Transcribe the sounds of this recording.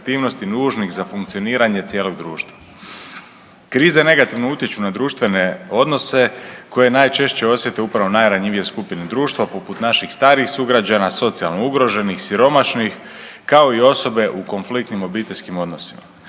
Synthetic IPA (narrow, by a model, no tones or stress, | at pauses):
t̪iːʋno̞st̪inuːʒnixzafuŋkt̪sio̞niːɾaɲe̞t̪sjeːlˠo̞ɡd̪ɾuːʃt̪ʋa | kɾiːzene̞ɡat̪iʋnout̪jet͡ɕunad̪ɾuːʃt̪ʋe̞ne̞o̞d̪no̞se̞ko̞je̞naːjt͡ʃe̞ʃt͡ɕe̞o̞sje̞t̪e̞upɾaʋo̞najɾaɲiʋije̞skupine̞d̪ɾuːʃt̪ʋapoput̪naʃixst̪aːɾixsuɡɾad͡ʑanaso̞t̪sialˠno̞uɡɾo̞ʒe̞nixsiɾo̞maʃnix | kao̞io̞so̞be̞ʔuko̞nflik̚t̪nimo̞biːt̪eʎʲskimo̞d̪no̞sima̰